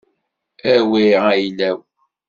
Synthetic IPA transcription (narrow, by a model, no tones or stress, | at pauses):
æwiajlæw